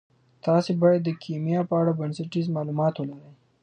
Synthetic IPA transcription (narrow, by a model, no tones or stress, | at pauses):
t̪ɑsebɑjad̪ːəkʰimijɑpəaɽabənsaʈizmɑlumɑt̪wəlaɾəj